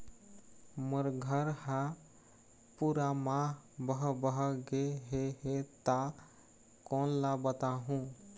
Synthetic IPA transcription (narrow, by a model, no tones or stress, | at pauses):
məɾɡʱəɾha | puɾamãbəɦbəɦɡeɦeɦet̪a | kɔnlabət̪aɦũ